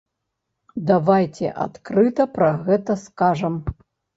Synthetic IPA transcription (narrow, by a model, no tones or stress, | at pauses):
d̪avajt͡sʲɛ̰ʔa̰t̪kɾɨt̪ɐpɾɐɣɛt̪ɐskaʐɐm